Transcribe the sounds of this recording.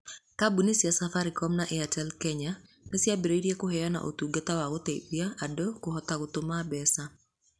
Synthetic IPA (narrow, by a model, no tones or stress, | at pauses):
kabunisjasafaɾikɔmnaʔɛatɛlkɛɲa | nesjabiɾeiɾjekʊɦɛjɔna̰ʔo̰t̪uɡat̪awaɡot̪ebiaadokʊɦɔt̪aɡʊt̪ʊmabɛsa